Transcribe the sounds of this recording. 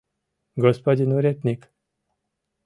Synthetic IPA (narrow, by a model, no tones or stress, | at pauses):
ɡospod̪ʲinuɾʲet̪nik